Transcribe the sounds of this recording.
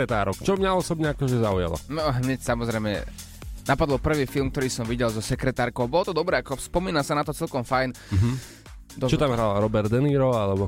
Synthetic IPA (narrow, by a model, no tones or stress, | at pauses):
ɾɛt̪aːɾɔkt͡ʃɔmɲaɔsɔbɲɛakɔʒɛzauja̰lɔ̰nɔɦɲɛcsamɔzɾɛjmɛ̰ | napad̪ɔlpr̩ʋiːfilˠmk̚t̪ɔɾiːsɔmʋiɟɛlzɔsɛkɾɛt̪aːɾkɔʊbɔlɔt̪ɔd̪ɔbɾɛːakɔspɔmiːnasanat̪ɔt͡sɛlkɔmfajn | ɦ | d̪ɔt͡ʃɔt̪amɦɾalɾɔbɛɾd̪ɛniːɾɔalɛbɔ